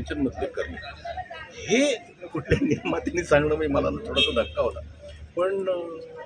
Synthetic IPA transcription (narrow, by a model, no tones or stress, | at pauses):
nɕənmət̪lekːəɾlḛ | he | kuʈʰljanijəmat̪janiːsãŋɡɳəm̤iməlanat̪ʰoɽasad̪ʱəkʰːaɦot̪apəɳ